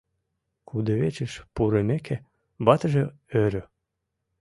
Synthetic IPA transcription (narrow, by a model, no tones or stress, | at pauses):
kʰud̪eβet͡ɕeʃpuɾəmekʰe | bɑt̪əʒe | øɾø